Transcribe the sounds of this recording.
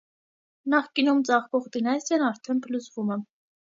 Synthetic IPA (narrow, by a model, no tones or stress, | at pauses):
nɑχkinumt͡sɑχvɔʁd̪inɑsɛnɑɾt̪ʰɛnpʰəlut͡svumɛm